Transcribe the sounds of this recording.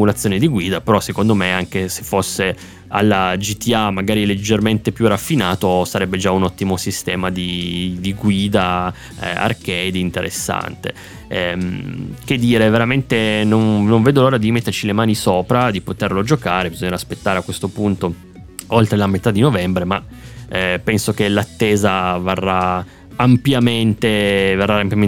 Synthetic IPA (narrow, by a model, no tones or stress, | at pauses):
mulat̪sːjoːned̪iɡwiːd̪apeɾɔsːekond̪omeaŋkese̥fːosːe | alːad͡ʒit̪iamːaɡaːɾiled͡ʒːerment̪epjurafːinaːt̪osaɾɛbːed͡ʒaunɔt̪ːimosist̪ɛːmad̪id̪iɡwiːd̪a̰ | a̰rkɛjd̪int̪eɾʔḛsːa̰nt̪ḛ | ɛ | k̟ed̪ːiːɾeveɾament̪enonnoɱveːd̪oloːɾad̪imet̪ːert͡ʃilemaːnisoːpɾad̪ipot̪erlod͡ʒokaːɾebizoɲːaɾaːspet̪ːaːɾeakːwest̪opunt̪o | olt̪ɾelamet̪ad̪inovɛmbɾema | pɛnsok̟elat̪ːeːzaverːa | ampjament̪everːaampjame